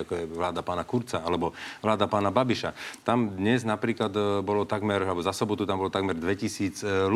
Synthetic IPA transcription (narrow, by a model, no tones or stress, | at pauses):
akɔjɛʋlaːd̪apaːnakuɾt͡saalɛbɔʋlaːd̪apaːnababiʃa̰t̪amd̪ɲɛznapɾiːklad̪bɔlɔt̪aɡmɛɾalɛbɔzasɔbɔt̪ut̪ambɔlɔt̪aɡmɛɾd̪ʋɛcisiːd͡zl